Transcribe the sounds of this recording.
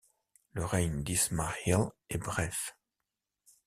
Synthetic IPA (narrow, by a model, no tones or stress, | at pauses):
ləʁɛɲd̪ismaʁjalɛbʁɛf